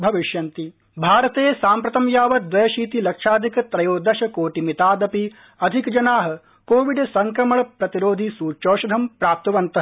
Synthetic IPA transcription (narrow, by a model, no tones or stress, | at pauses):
bʱɐʋiʂjɐnt̪i | bʱaːɾɐt̪eːsaːmpɾɐt̪ɐmjaːʋɐd̪ʋɐjɐʃiːt̪ilɐkʂaːd̪ʱikt̪ɾɐjoːd̪ɐʃɐkoːʈimit̪aːd̪ɐpi | ɐd̪ʱikd͡ʒɐnaːɦɐ̆ | koːʋiɖsɐŋkɾɐmɐɭɐpɾɐt̪iɾoːd̪ʱisuːɾt͡ʃoːʃɐd̪ʱɐmpɾaːp̚t̪ɐʋɐnt̪ɐ